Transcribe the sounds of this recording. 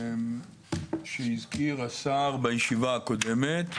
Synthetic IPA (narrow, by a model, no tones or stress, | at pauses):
ʃeizkiʁasaʁbajeʃivaːko̞d̪e̞met̪